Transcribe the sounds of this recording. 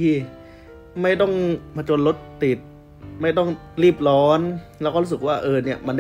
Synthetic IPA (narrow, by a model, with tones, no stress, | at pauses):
iː˧˩ | ma˥˩jt̪̬ɔ˧˥˩ŋpʰaː˧t͡ɕo˧nlo˦˥t̪ːi˨˩t̪̚ | ma˥˩jt̪ɔ˥˩ŋ | liː˥˩p̚lɔː˦˥nlɛː˧˥wkɔː˧˨lu˧˥˩sɯ˨˩k̚waː˧˩ʔɤː˧ni˧˩ɐma˧nd